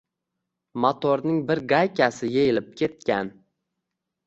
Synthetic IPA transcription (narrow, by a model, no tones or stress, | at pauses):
mot̪ʰoɾnɪŋbɪɾɡajkʰʲasɪjejɪlɪp̚kʲʰe̞t̪̚kʲan